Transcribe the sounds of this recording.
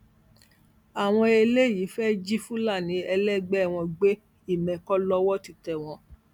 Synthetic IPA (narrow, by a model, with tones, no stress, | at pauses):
a˨w̃ɔ̃˧e˧le˦˨ji˨˦fɛ˦d͡ʒi˦fũ˦la˦˨nĩ˨˦ɛ˧lɛ˦ɡ͡bɛ˦˨w̃ɔ̃˧ɡ͡be˦ | i˦˨mɛ̃˨kɔ˦lɔ˦wɔ˦ti˧tɛ˨w̃ɔ̃˧